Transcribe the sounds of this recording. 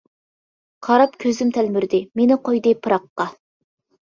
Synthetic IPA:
qʰɑɾɑpkʲʰøzymt̪ʰɛlmyɾd̪ɪmenɪqʰojd̪ɨpʰɨɾɑqːɑ

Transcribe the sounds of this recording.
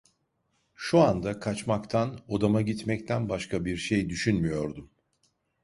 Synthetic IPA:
ʃuand̪akʰat͡ʃmakt̪ʰano̞d̪amaɟit̪mɛct̪ʰænbaʃkʰabiɾʃejd̪yʃynmyjo̞ɾd̪um

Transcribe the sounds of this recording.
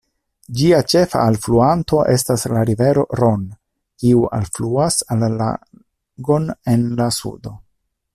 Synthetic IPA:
d͡ʒiat͡ʃe̞fa̰ːlfluanto̞ʔe̞staslaɾive̞ɾo̞̰ɾo̞n | kiuʔa̰lfluasalːa̰ | ɡo̞ne̞nlasṵdo̞

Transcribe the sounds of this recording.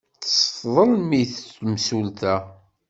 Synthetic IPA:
θsˤfðˤəlmiθmsult̪æ

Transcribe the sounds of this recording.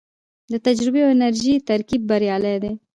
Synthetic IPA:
d̪ət̪ad͡ʒɾɪbeoɪnaɾʒit̪aɾkib̚ːaɾjɑːled̪e

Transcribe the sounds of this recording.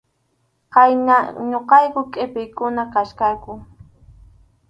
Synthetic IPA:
qɑjnaɲoqɑjkʊkʼɪpɪjkʊnakaʃkakʊ

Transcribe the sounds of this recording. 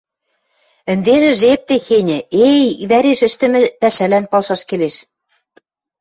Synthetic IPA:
ɘ̆nd̪eʒɘ̆ʒep̚t̪exenʲɘ̆ejβæɾeʃɘ̆ʃt̪ɘ̆mɘ̆pæʃælænpɑlʃɑʃkeleʃ

